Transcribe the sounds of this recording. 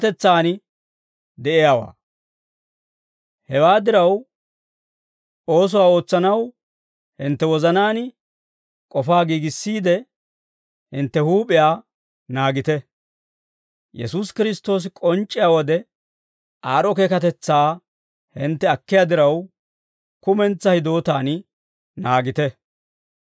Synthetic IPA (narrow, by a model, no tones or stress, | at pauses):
t̪ɛt͡sːaːnɪ | d̪ɛʔɪjaːwa̰ː | hɛwaːd̪ɪɾɐw | o̞ːs̬ʊwaːo̞ːt͡sːɐnɐw | hɪnt̪ːɛwɔzɐnaːnɪ | kʼɔfaːɡiːɡɪsːiːd̪ɛ | hɪnt̪ːɛhuːpʼɪjaː | naːɡɪt̪ɛ | jɛsuːskɪɾɪst̪ːo̞ːs̬ɪkʼɔnt͡ʃʼːɪjaːwɔd̪ɛ | ʔaːɾɔkeːkɐt̪ɛt͡sːaː | hɪnt̪ːɛɐkːɪjaːd̪ɪɾɐw | kʊmɛnt͡sːɐhɪd̪o̞ːt̪aːn | naːɡɪt̪ɛ